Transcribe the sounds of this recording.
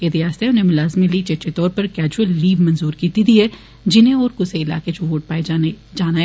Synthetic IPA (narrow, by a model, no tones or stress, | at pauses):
jed̪iaːst̪eɦɛʊnɦemʊlaːzmĩlit͡ʃɐt͡ʃet̪ɔːɾpɐɾkɛːd͡ʒuəlːiːʋmɐnzuːɾkiːt̪id̪iɦɛ | d͡ʒɪnɦẽɔːɾkʊseɪla̰ːked͡ʒoʋoːʈ̚paːe | d͡ʒaːnaɦ